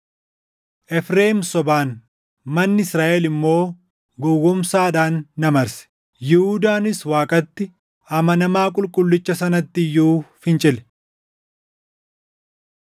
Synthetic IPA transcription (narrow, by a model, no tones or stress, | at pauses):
ʔɛfɾe̞ːmsɔbaːn | mɐnːɪɪsɾaːʔɛlɪmːo̞ː | ɡɔwːʊmsaːᶑaːnːɐmɐɾsɛ̥ | jɪhuːd̪aːnɪswaːkʼɐt̪ːɪ | ɐmɐnɐmaːkʼʊlkʼʊlːɪt͡ʃːɐsɐnɐt̪ːɪɪjːuːfɪnt͡ʃʼɪlɛ̥